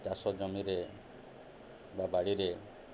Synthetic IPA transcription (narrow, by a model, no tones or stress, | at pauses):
d͡ʒasɔd͡ʒɔmiɾe | babaɽiɾe